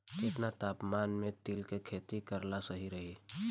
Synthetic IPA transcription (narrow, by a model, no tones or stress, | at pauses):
kɪt̪nat̪aːpmaːnmẽt̪ɪlkekʰeːt̪ikəɾlasəɦiɾəɦi